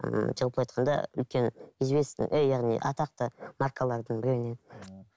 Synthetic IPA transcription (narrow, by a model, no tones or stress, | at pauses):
d͡ʒəlˠplˠɑjt̪̚qʰɑnd̪ɑ̰ʏ̰lkʲe̞nizbe̞st̪ɪ̰ʔejːɑʁnḭʔɑ̰t̪ɑq̚t̪əmarkʰalˠɑɾd̪əɴbɪɾeɾɪne̞